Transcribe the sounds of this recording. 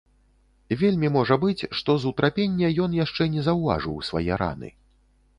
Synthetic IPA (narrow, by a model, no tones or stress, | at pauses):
vʲelʲmʲimɔʐɐbɨt͡sʲʂt̪ɔzut̪ɾʔapʲenʲːɐjɔnjaʂt͡ʂɛnʲɛzɐwva̰ʐɨ̰wsva̰jɛɾa̰nɨ̰